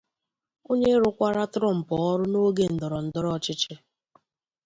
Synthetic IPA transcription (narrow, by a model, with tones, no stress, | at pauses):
o˦ɲe˦ɾʊ˦kʷa˦ɾa˦tɾɔ˦˨m̩˨pɔ˨ɔ˦ɾʊ˦no˦ɡe˦n̩˨dɔ˨ɾɔ˨n̩˨dɔ˦ɾɔ˦˨t͡ʃɪ˦t͡ʃɪ˦